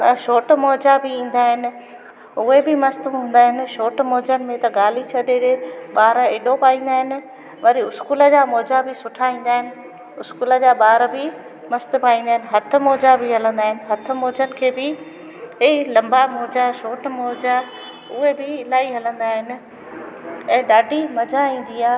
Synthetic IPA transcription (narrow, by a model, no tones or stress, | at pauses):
ʃoːʈmɔːd͡ʑabɪĩːn̆d̪aːɦɪnɪ̆ | ʊɦebɪmɐst̪ũɦũːn̆d̪aːɦɪnɪ̆ʃoːʈmoːd͡ʑənɪ̆mẽt̪ɐɠaːl̤it͡ɕʰɐɗeɾeɓaːɾeːɗopaːĩːn̆d̪aːɦɪnɪ̆ | ʋɐɾiʊskuːlə̆d͡ʑaːmoːd͡ʑabɪsʊʈʰaĩːn̆d̪aːɦɪnɪ̆ | ʊskuːlə̆d͡ʑaːɓaːɾbɪ | mɐst̪paːĩːnd̪aːɦɪnɪɦɐt̪ʰʊ̆moːd͡ʑabɪɦɐlə̃nd̪aːɦɪnɪ̆ɦɐt̪ʰʊ̆moːd͡ʑənɪ̆kʰeːbɪ | elɐ̃mbamoːd͡ʑaʃoːʈmoːd͡ʑa | ʊɦebɪːlaːiɦɐlə̃nd̪aːɦɪnɪ̆ | ɛ̃ːɗaːɖʱimɐd͡ʑaĩːn̆d̪iaː